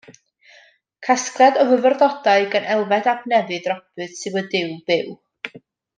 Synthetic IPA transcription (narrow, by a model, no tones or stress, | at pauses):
kʰasklˠɛdɔvəvərðɔd̥aɨɡənʔɛlˠvɛdabnɛvɨðrɔbɨd̥sɨwədɪwb̥ɪw